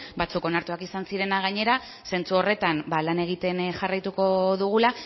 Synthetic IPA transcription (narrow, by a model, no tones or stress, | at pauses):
bat͡suko̞naɾt̪uakisansiɾe̞naɣ̞aɲe̞ɾa | se̞nt͡suo̞re̞t̪ambalane̞ɣ̞it̪e̞nʝarajt̪uko̞ðuɣ̞ula